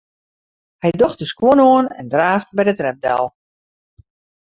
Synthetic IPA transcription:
hɛjdoxtəskwonoənɛ̰ndraːftbɛjdətrɛp̚dɛ̰lˠ

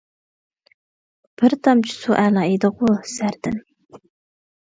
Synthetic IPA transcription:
b̥ɪɾt̪ʰɑmt͡ʃʰi̥suʔælˠɑːed̪ɨʁusæɾd̪̥ɪn

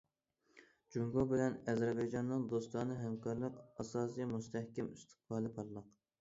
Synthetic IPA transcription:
d͡ʒuŋɡobɪlɛnɛzæɾbɑjd͡ʒɑnːɨŋd̪ost̪ɑnɨɦɛmkʰɑɾlˠəqɑsɑːsɨjmust̪ʰɛhkʲɛmyst̪ʰɨ̥q̚bɑːlˠɨpʰɑɾlˠəq

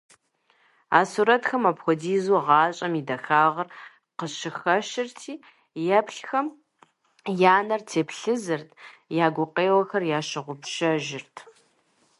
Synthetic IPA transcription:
aːsuːɾɐtxɐmɐpxʷɔdiːzuʁɑːɕʼɐmidɐxaːʁɐr | qəɕɪxɐʃɪrtʰiː | jɛpɬxɐm | jaːnɐrtʰeːpɬɨzɨrtʰjaːɡʷʊqeːwɐxɐrjaːʃɪʁʷʊpʃɐʒɪrtʰ

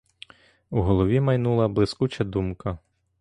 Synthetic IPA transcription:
uɦɔlˠɔʋʲimɐjnulˠɐblˠɪskut͡ʃɐd̪umkɐ

